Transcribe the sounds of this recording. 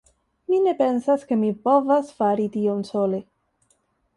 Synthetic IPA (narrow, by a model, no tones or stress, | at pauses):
mine̞pe̞nsaske̞mipo̞vasfaɾitionsole